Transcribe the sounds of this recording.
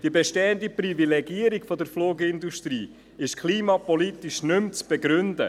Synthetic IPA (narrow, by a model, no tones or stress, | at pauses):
d̥iəbɛʃtɛːəndiprivilɛɡiːəɾikfɔd̪əɾfloːɡəɪnd̪uʃt̪ɾiː | ɪʃkʰliːmɑpɔlit̪iʃnʏmt͡sb̥ɛɡɾʏndə